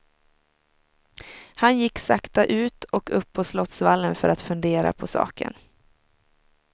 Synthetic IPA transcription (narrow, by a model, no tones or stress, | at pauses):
hanjɪkːsakt̪aʔʉ̟ːt̪ɔkɵpʰːɔslɔt̪svalːənfœɾat̪fɵnd̪eːɾa̰pʰɔsɑ̰ːkʰə̰n